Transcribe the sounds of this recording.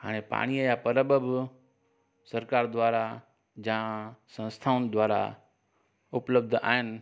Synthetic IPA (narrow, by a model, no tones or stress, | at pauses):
ɦa̰ːɽ̃epa̰ːɽ̃iəjapɐɾəbəb | sɐɾkaːɾd̪ʱʋaːɾa | d͡ʑãsɐ̃nst̪ʰaʊnɪ̆d̪ʱʋaːɾa̰ | ʊpləb̚d̪ʱa̰ːɦɪnɪ̆